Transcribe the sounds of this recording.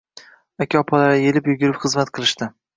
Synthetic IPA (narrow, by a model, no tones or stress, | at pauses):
akʲʰaɒpʰɒlaɾaje̞lɪpjʊɡʲʊɾɪpχɨzmat̪̚qʰɨlˠɪʃt̪ɪ